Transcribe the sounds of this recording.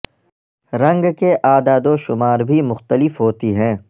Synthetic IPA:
ɾɐ̃ŋɡkeʔaːd̪aːd̪oʃʊmaːɾbʱimʊxt̪əlɪfɦoːt̪iɦɛ̃ː

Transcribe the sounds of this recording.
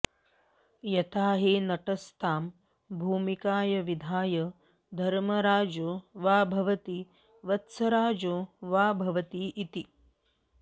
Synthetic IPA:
jɐt̪aːɦeːnɐʈɐst̪ʰaːm | bʱuːmikaːjɐʋid̪ʱaːjɐ | d̪ʱɐɾmɐɾaːd͡ʒoːʋaːbʱɐʋɐt̪i | ʋɐt̪sɐɾaːd͡ʒoːʋaːbʱɐʋɐt̪iːt̪i

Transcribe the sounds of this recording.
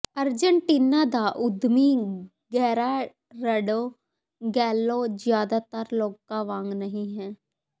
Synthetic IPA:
əɾd͡ʒəɳʈiːnaːd̪aːʔʊd̪miː | ɡɛːɾaː | ɾəɖoː | ɡɛːloːd͡ʒjaːd̪aːt̪əɾloːkaːʋaːŋɡnəɦĩːɦɛː

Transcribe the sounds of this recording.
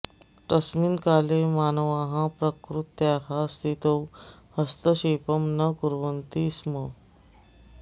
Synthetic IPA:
ʈəsminkaːlemaːnəʋaɦãpɾəkɾut̪jaɦast̪ʰit̪ow | hɐst̪əɕeːpəmnɐkuɾʋənt̪ismə

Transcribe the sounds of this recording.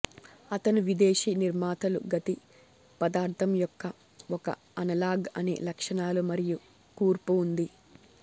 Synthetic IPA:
ɐt̪ɐnuʋid̪eːʃiːniɾmaːt̪ɐlṵɡɐt̪i | pɐd̪aːɾt̪ʰɐmjɔkːɐ | ɔkɐ̰ | ɐnɐlaːɡɐnḛːlɐkʂɐnaːlumɐɾiju | kuːɾpuːnd̪i

